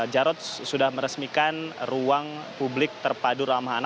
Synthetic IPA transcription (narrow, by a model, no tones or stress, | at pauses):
d͡ʒaɾɔt̪̚sudahməɾəsmikanruaŋpublɪk̚t̪ərpadʊɾamɦana